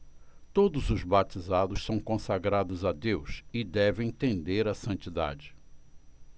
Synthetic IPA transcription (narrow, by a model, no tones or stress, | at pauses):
t̪od̪ʊzʊzbat͡ʃizad̪ʊʃsɐ̃w̃kõsaɡɾad̪ʊzad̪ewsɪd̪ɛvẽj̃t̪ẽnd̪eɾɐsɐ̃nt͡ʃid̪a̰d͡ʒɪ